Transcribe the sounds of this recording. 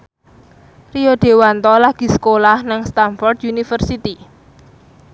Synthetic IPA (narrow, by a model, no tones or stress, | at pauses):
rioɖ̪̥e̤want̪ɔlaɡ̥i̤sə̥kolahnaŋst̪anfɔrd̪unifərsit̪i